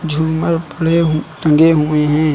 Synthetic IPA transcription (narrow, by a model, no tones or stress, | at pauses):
d͡ʒʱuːməɾpəɽ̤eɦt̪ə̃ŋɡeɦʊeɦɛ̃ː